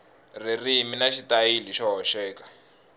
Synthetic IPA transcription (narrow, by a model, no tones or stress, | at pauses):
ririminaʃitajiliʃɔɦɔʃɛːkḁ